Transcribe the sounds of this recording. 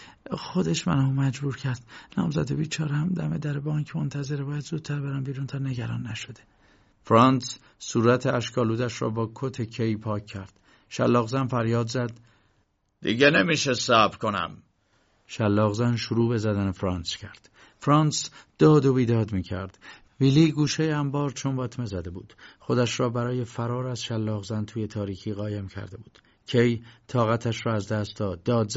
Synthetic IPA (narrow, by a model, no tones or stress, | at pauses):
xo̞d̪eʃmæ̰nɒːmæd͡ʒbuːɾcʰæɾd̪nɒ̰ːmzæ̰d̪ebiːt͡ʃʰɒːɾehæmd̪æmed̪æɾebɒːiɲcʰmont̪ʰæze̞ɾebɒːjæd̪zuːd̪̥̚t̪ʰæɾbeɾæmbiːɾuːnt̪ʰæɾne̞ɟæɾɒːnːæʃo̞d̪e | fɾɒːns | suːɾæt̪ʰeæʃkʰɒːluːd̪æʃɾɒ̰ːbɒːkʰot̪ʰecʰejpʰɒːcʰːæɾd̪̥ | ʃælːɒːɣzænfæɾjɒːd̪zæd̪̥ː | ḭɟenemiːʃesæbɾkʰo̞næ̰m | ʃælːɒːɣzænʃoɾuːbe̞zæd̪ænefɾɒːnscʰæɾd̪̥ | fɾɒːnsd̪̥ɒːd̪o̞biːd̪ɒːd̪miːcʰæ̰ɾd̪̥ | viliːɡuːʃejeæmbɒːɾt͡ʃʰonbɒːt̪ʰme̞zæd̪e̞buːd̪̥χo̞d̪æʃɾɒːbæɾɒːje̞fæɾɒːɾæzʃælːɒːɣzænt̪ʰuːje̞t̪ʰɒːɾiːcʰiːɣɒːjemcʰæ̰ɾd̪e̞buːd̪̥ | cʰejt̪ʰɒːɣæt̪ʰæʃɾɒːæzd̪æst̪d̪ɒːd̪ːɒːd̪z